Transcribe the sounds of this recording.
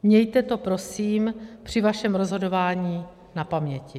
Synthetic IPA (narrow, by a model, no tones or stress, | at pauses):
mɲɛjt̪ɛt̪o̞pɾo̞siːmpr̝̥ɪvaʃɛmɾozɦo̞do̞vaːɲiː | napamɲɛcɪ